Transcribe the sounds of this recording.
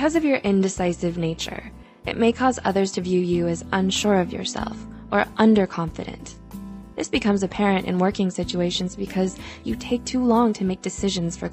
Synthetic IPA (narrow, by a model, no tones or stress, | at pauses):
kʰʌzʌvjə˞ʔɪ̃ndɨsaɪsɨvneɪt͡ʃə̰˞ | ʔɨ̰t̚meɪkʰɔzʌ̰ðə˞z̥tʰɨvjʉjɨɨzə̃nʃʊɹʌvjə̰˞sɛ̰lˠf | ʔə˞ʔʌ̃ndə˞kʰɑ̃ɱfɨ̰ɾɨ̰̃n | ðɪsb̥ɨkʰʌ̃mzɨpʰɛɹɨ̃ntɨ̰̃nwɜ˞kɪ̃ŋsɪt͡ʃueɪʃɨ̃n̩zbɨkʰʌzjɨtʰeɪk̚tʰulɔ̃ŋtʰɨmeɪk̚d̥ɨsɪʒɨ̃nz̥fə˞